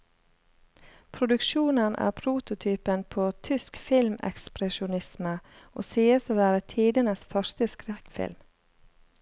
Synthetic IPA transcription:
pʰɾʊd̪ʉkʃuːnənʔæ̰ːɾpʰɾuːt̪ʊt̪ʰyːpənpʰoːt̪ʰʏskfɪlmʔɛ̰kspɾɛʃʊnɪsmə | o̰ːsiːəsoːʋæːɾət̪ʰiːd̪ənəsfœʃt̪əskɾɛkfɪ̰lm

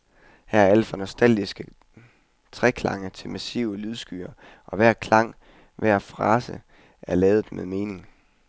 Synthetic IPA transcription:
hæɐ̰æɐæləfɒnosd̥æl̰ɡ̥isɡ̥ə | t͡sʰʁɛkʰlɑ̈ŋət͡sʰe̝lmæsiʊəlyð̞ˠsɡ̥y̰ːɐ | ʔɒ̽ʋæɐ̰kʰlɑ̈ŋ̰ | ʋæɐ̰fʁɑ̈ːsə | ʔæɐlɛːð̩ˠmeðˠme̝ːne̝ŋ

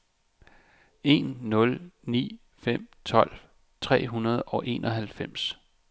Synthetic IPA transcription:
e̝nːɔ̽lnḭː | fem̰t͡sʰɒ̽l̰ | t͡sʰʁɛ̰ːɦunɐð̞ˠɒ̽ʔe̝ːnʔɒ̽ɦælfem̰s

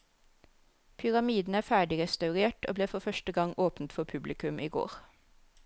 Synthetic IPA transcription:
pʰʏʁɑmiːd̪n̩æːfæːɖɪʁɛst̪ɑʉʁeːʈoːbleːfɔfœʃʈəɡɑŋʔoːpnt̪fɔpʰʉblɪkʉmʔiːɡo̰ːʁ

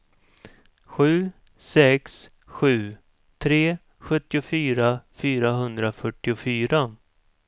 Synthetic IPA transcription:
ɧʉ̟ː | sɛks | ɧʉ̟ː | t̪ʰɾeː | ɧɵt̪ːɪʊfyːɾafyːɾaɦɵnd̪ɾafœʈːɪʊfyːɾa

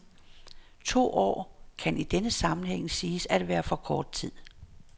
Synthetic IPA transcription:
t͡sʰo̝̰ːʔɒ̰ːkʰænʔid̥enəsɑ̈mn̩heŋ̰siːsæd̥ʋæːɐfɒ̽kʰɒːd̥̚t͡sʰið̰ˠ

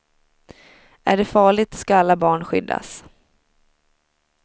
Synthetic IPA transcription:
ʔæ̰ɖɛfɑːɭɪt̪skaalːabɑːɳɧʏ̰d̪ːa̰s

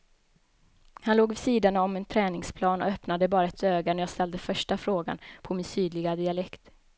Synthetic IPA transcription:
hanloːɡvɪsiːd̪anaɔmɛnt̪ʰɾɛːnɪŋspʰlɑːnɔ̰œpnad̪əbɑːɾaɛt̪øːɡaɳæjɑːst̪ɛld̪əfœʂʈafɾoːɡa̰npʰɔmɪnsyːd̪lɪɡad̪ɪalɛkt̪

